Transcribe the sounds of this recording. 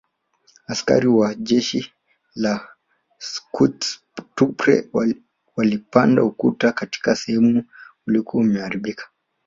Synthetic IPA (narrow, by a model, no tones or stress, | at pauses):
aska̰ɾiwaʄɛʃi | la | skut | tupɾɛ̰ | walipanda̰ukutakati̥kasɛhɛmuulikuɔumɛaɾiɓikʰḁ